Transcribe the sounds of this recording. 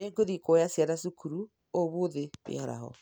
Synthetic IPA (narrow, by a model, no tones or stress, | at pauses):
eŋɡoðikɔjasjaɾasukuɾu | oβoðeβḛhɔɾa̰ɦɔ̰